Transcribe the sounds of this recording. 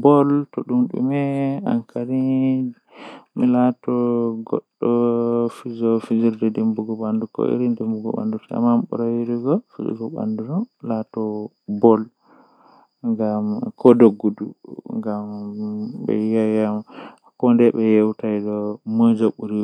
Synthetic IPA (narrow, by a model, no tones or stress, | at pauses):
bɔltɔɗumɗṵmɛa̰ŋkʰaɾi | mɛlatɔɡɔ̰ɗːɔfid͡ʒɔfid͡ʒiɾdɛdimbuɡɔɓandukɔ̰ḭɾindimbuɡɔ̰ɓa̰ndutia̰mamɓɔ̰ɾawiɾiɡɔfid͡ʒḭɡɔɓa̰nduɾɔlatɔ | bɔl | ŋɡamkɔdoɡːudṵŋɡam | bɛ̰jajamakɔndɛɓɛjɛwtajdɔmod͡ʒɔɓuɾi